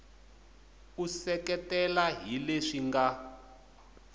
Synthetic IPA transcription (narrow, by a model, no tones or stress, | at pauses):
usɛkɛtɛlaɦileʂiŋɡa